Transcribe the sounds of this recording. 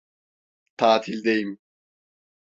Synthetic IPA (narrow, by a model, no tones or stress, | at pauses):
t̪ʰaːt̪ʰilʲd̪ejim